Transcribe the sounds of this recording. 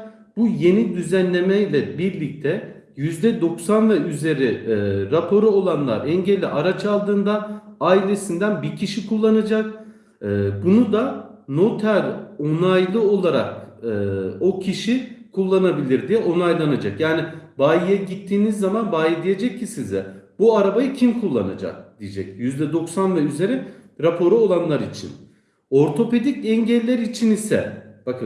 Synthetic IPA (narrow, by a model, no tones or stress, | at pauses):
buje̞nid̪yzænlʲe̞mɛjlʲɛbiɾlʲic̚t̪ʰɛ | jyzd̪ɛd̪o̞ksanvɛyze̞ɾiɾapʰo̞ɾuo̞lˠanlˠa̰ɾɛɲɟɛlʲːḭʔaɾat͡ʃʰalˠd̪ɯːnd̪aaːilʲe̞sind̪ænbiɾcʰiʃikʰulˠːanad͡ʒak̚ | ɯbunud̪ano̞t̪ʰalʲo̞najlˠɯo̞lˠaɾa̰k̚ɯo̞cʰiʃikʰulˠːanabilʲiɾd̪ijɛʔo̞najlˠanad͡ʒakjaːnibaːjijɛɟit̪ʰːiːnizːamanbaːjid̪ije̞d͡ʒɛcʰːisizɛbuaɾabajɯcʰimkʰulˠːa̰na̰d͡ʒa̰k̚d̪̥ijed͡ʒɛcjyzd̪ɛd̪o̞ksanvɛyze̞ɾɛ | ɾapʰo̞ɾuolˠanlˠaɾit͡ʃʰḭn | o̞ɾt̪ʰo̞pe̞d̪icɛɲɟɛlʲːæɾit͡ʃʰinisɛ̰b̥akʰɯ